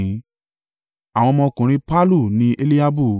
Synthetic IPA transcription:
ĩ˨˦ | a˨w̃ɔ̃˧mɔ̃˧kũ˨ɾ̃ĩ˦pa˦lu˦˨nĩ˦ʔe˦li˦a˦bu˦˨

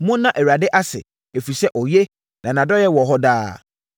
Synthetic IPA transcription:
mʊ̃˦nː˦ã˦˨ʔɛ˨wa˨dɪ˦ʔa˦sɪ̰˨ | e˨fi˨sɛ˦ʔɔ˨je˦ | nã˨nã˨dɔ˦jɛ˦wɔ˨ɦɔ˦daː˦

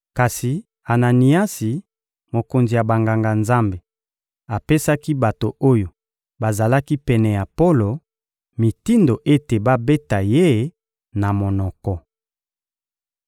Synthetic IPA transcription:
ka˨si˨ | a˨na˨ni˨a˦si˨ | mo˨ko˨nzi˨ja˨ba˨ŋɡa˨ŋɡa˨nza˦mbe˨ | a˨pe˦sa˦ki˦ba˨to˨o˦jo˨ | ba˨za˨la˦ki˦pɛ˨nɛ˨ja˨po˦lo˨ | mi˨ti˦ndo˨ʔe˦te˨ba˦be˦ta˨je˦ | na˨mo˨nɔ˨kɔ˨

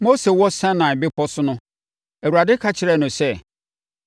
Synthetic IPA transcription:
mo˦se˨wɔ˦sã˦nã˨bɪ˦pʰɔ˦sʊ˦nʊ̃˦ | æ˨wu˨ɾa˨dɪ˦kʰa˦t͡ɕʰɪ˨ɾɛ˦˨nʊ̃˨sɛ˦˨

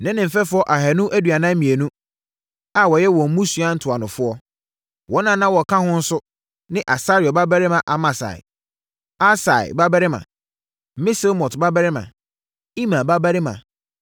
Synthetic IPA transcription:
nɪ̃˦nɪ̃˨m̩˨fɛ˦fʊ˦ɔ˦ʔa˨ɦæ˨nʊ̃˦ʔæ˦dɥa˨nã˦mĩ˨e˨nũ˦ | a˨wɔ˨jɛ˦wɔ̃˨m̩˦mũ˦sɥa˦n̩˦tʰʊ˨a˨nʊ̃˨fʊ˦ɔ˦ | wɔ˦nã˦˨nã˦wɔ˨kʰã˦hʊ̃˦n̩˦sʊ˦ | nɪ̃˦ʔa˨sa˦ɾɪ˨ɔ˨ba˦bæ˦ɾɪ˦mã˨ʔa˨mã˨sa̰˨ɪ̰˨ | a˦sa˨ɪ̰˨ba˦ba˦ɾɪ˦mã̰˨˦ | mɪ̃˦se˦lmɔ̃˨tba˦ba˦ɾɪ˦mã̰˨ | i˦mã˨ba˦bæ˦ɾɪ˦mã̰˨

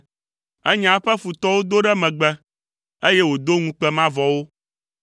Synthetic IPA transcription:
ɛ˦ɲã˨˦ɸɛ˦fu˨t̪ɔ˦wo˦d̪o˦ɖɛ˦mɛ̃˨ɡ͡bɛ˦ | e˦jɛ˦wo˨d̪o˦ŋũ˦k͡pɛ˦mã˦vɔ˨wo˦

